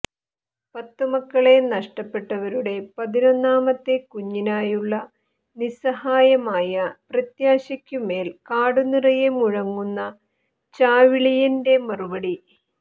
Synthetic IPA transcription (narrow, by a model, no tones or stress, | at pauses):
pɐt̪ːumɐkːɐɭe̞nɐʂʈɐpːe̞ʈːɐʋɐɾuɽe̞pɐðinonːaːmɐt̪ːe̞kuɲːinaːjuɭːɐ | nisɐhaːjɐmaːjɐprɐt̪jaːɕɐkʲːume̞ːlkaːɽunːirɐjemuɻɐŋːunːɐ | t͡ɕaːʋiɭijɐnde̞mɐrubɐɽi